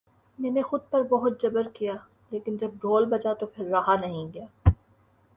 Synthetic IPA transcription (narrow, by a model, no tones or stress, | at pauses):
mɛːnexʊd̪̚pɐɾbɐɦʊt̪̚d͡ʒɐbəɾkijaː | leːkɪnd͡ʒɐb̚ɖʱoːlbɐd͡ʒat̪opʰɪɾːaɦanɐɦĩɡɐjaː